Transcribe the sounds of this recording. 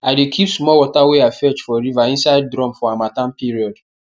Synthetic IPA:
aɪdekʰipsmɔwɔtaweafɛt͡ʃfɔɾivaĩnsaɪd̚dɾɔ̃mfɔamatãnpiɾiɔd

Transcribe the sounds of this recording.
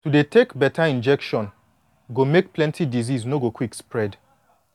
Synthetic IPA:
tudetʰekbɛtʰaĩnd͡ʒɛkʃɔ̃n | ɡomek̚plɛ̃ntʰidiziznoɡokwikspɹɛd

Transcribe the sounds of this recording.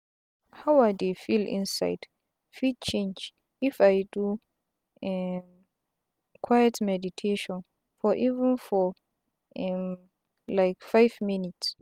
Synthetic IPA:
hawadefilḭ̃nsa̰jd̥ | fid̚t͡ʃʰẽnd͡ʒ | ifajdu | ɛm | kʰwajɛtʰmɛditʰeʃɔ̃n | fɔʔivɛ̃nfɔ | ɛm | lajkfajvminits

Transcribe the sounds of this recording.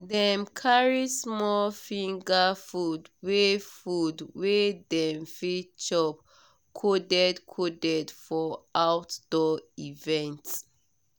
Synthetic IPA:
dɛ̃mkʰaɹismɔlfĩŋɡafudwefudwedɛ̃mfit͡ʃɔp | kʰodɛdkʰodɛdfɔawtd̥ɔivɛ̃nt

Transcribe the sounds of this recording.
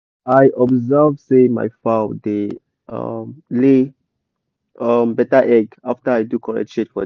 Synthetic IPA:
ajʔɔbzəvsẽma̰jfawde | ʌ̰mle | ʌmbɛtaʔɛɡaftəajdukʰɔɹɛ̰ʃetfɔ̰

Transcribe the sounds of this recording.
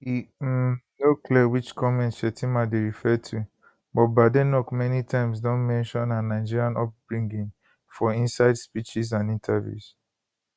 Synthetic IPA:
hi | noklɛwit͡ʃkʰɔmɛ̃ntʃɛtʰĩmadeɹifɛtʰu | bɔt̚badenɔkmɛnitʰãɪ̃ms̬dɔ̃nmɛ̃nʃɔ̃nãnːaɪd͡ʒiɹiãnɔp̚bɹĩŋɡĩŋ | fɔĩnsaɪdspit͡ʃiz̬ãnĩntʰavjṵs

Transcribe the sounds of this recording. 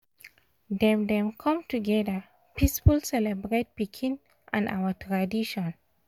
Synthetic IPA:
dɛ̃mdɛ̃mkʰɔ̃mtuɡɛdə | pisfulsɛlɛbɹet̚pikʰĩn | ʔã̰na̰wətʰɹadiʃɔ̃n

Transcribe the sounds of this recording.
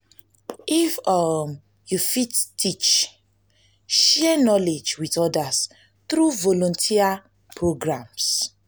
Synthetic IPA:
ʔifɔm | jufittʰːit͡ʃ | ʃɛɛnɔled͡ʒwitɔdas | θɾuvɔlɔ̃ntʰia | pʰɹoɡɹãms

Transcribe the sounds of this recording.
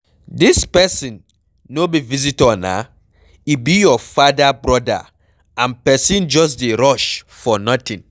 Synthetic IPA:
dispɛsĩnː | obivizitɔna̰ | ibijɔfadabɹɔda̰ | ãnpɛsĩnd͡ʒɔs̬deɾɔʃ | fɔnɔtĩn

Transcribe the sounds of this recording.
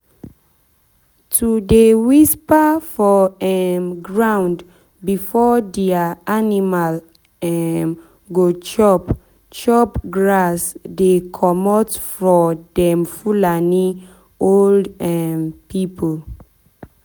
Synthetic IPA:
tʰudewispafɔɛmɡɹãʊ̃nd | bifɔdɛaanimal | ɛm | ɡot͡ʃɔp | t͡ʃɔpɡɹasdekʰɔmɔtfɹɔdɛmfulani | oldɛmpʰipʰol

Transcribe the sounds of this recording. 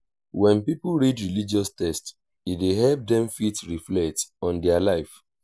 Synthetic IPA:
wɛ̃npipuɹidɹilid͡ʒiɔstɛst | ideɦɛlp̚dɛ̃mfitɹiflɛk̚tɔ̃ndɛalaɪf

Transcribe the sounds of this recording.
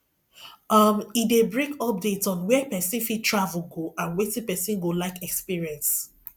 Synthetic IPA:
ʌmidebɹekɔp̚detsɔ̃nwɛpɛsĩnfitʰɹavul̩ɡoʔãnwetĩpɛsĩnɡolaɪkɛkspiɹiɛ̃ns

